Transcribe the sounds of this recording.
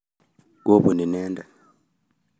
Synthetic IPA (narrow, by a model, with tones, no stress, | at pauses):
ɡo˦βu˨ni˨neː˦nda˨